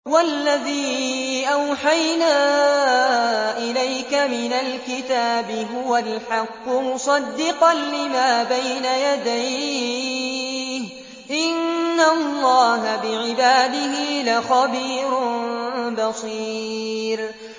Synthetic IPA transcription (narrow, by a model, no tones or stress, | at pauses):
walːaðiːʔawħajnaː | ʔɪlajkamɪnalkɪt̪aːbɪɦʊwalħɑqːʊmʊsˤɑd̪ːɪqɑnlɪmaːbajnajad̪aj | h | ʔɪnːalˤːɑːɦabɪʕɪbaːd̪ɪhɪlaxɑbiːɾʊnbɑsiːɾ